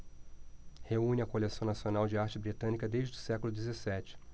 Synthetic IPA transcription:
heũnɪɐkolesɐ̃w̃nasionawd͡ʒɪaɾt͡ʃɪbɾit̪ɐ̃nikɐd̪ejʒd͡ʒɪd̪ʊsɛkʊlʊd̪ezesɛt͡ʃɪ̥

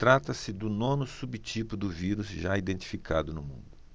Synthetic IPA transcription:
t̪ɾat̪ɐsɪd̪ʊnõnʊsubt͡ʃipʊd̪ʊviɾuzʒaid̪ẽnt̪i̥fikʰad̪ʊnʊmũnd̪ʊ

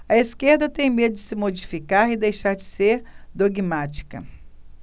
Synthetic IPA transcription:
ɐiskeɾd̪ɐt̪ẽj̃med̪ʊd͡ʒɪsɪmod͡ʒifikaɾɪd̪ejʃaɾd͡ʒɪseɾd̪oɡimat͡ʃi̥kɐ̰

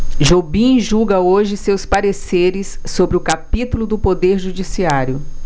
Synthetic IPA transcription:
ʒobĩʒuɡɐoʒɪsewspaɾeseɾɪsːobɾɪʊkapit̪ulʊd̪ʊpod̪eɾʒud͡ʒisiaɾjʊ

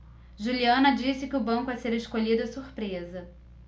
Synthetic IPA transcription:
ʒuliɐ̃nɐd͡ʒisɪkɪʊbɐ̃ŋkʊɛseɾeʃkoʎid̪ʊɐsuɾpɾezɐ

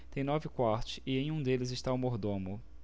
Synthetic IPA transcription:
t̪ẽj̃nɔvɪkwaɾt͡ʃɪ̥ɪẽj̃ũd̪elɪzɪʃt̪aumoɾd̪õmʊ

